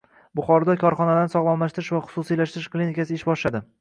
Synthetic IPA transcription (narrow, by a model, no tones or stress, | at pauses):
bʊχɒɾd̪ɒkʰɒɾχɒnad̪anɪsɒʁlˠɒmlaʃt̪ɪɾɪʃvaχʊ̥sʊsijlaʃt̪ɪɾɪʃklinikʲasɪɪʃbɒʃlad̪ɪ